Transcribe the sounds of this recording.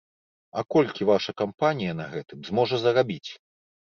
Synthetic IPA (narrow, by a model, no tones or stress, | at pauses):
ɐkɔlʲkʲivaʂɐkampanʲijɐnɐɣɛt̪ɨmzmɔʐɐzɐɾabʲit͡sʲ